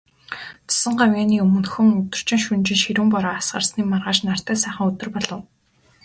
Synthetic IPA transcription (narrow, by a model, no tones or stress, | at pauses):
t͡sḁsə̆ɴɢawjaːniːɵmɵ̆nxɵ̆ŋɵt̪ɵ̆r̥t͡ɕɪ̆ŋʃunt͡ɕɪ̆nʃiɾuːmpɔɾɔːasɢə̰̆rsniːmarʁaːʃnar̥t̪æːsæːχə̆ŋɵt̪ɵ̆rpɔɮɞ̆w